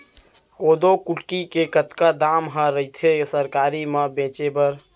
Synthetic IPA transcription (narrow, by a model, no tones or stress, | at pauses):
od̪okuʈkikekət̪kad̪amɦəɾəit̪ʰesəɾkaɾiməbẽt͡ʃebəɾ